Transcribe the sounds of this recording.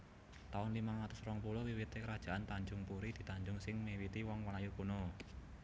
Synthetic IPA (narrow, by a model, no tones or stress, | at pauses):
t̪aʊnlimaŋat̪ʊsɾɔŋpulowiwit̪ekəɾad̥ʒ̥a̤ʔant̪aɲd͡ʒʊŋpuɾid̪̥i̤t̪aɲd͡ʒʊŋsɪŋmewit̪iwɔŋwalajukuno